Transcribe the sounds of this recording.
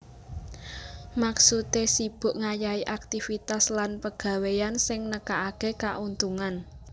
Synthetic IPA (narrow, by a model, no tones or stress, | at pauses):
maksut̪esib̥ʊ̤ʔŋajaiʔak̚t̪ifit̪aslanpəɡ̥ä̤wejansɪŋnəkaʔːkekaʔunt̪uŋan